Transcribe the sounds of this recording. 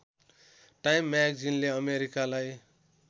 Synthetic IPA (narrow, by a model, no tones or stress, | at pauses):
ʈajmːakd͡zinleʌmeɾikalaj